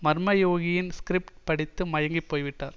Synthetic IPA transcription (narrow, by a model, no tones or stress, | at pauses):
mɐɾɯmɐjoːɣɪjɪnskɾɪp̚ʈpɐɽɪt̪ːɯmɐjɐŋɡipːoːjʋɪʈːa̰ːɾ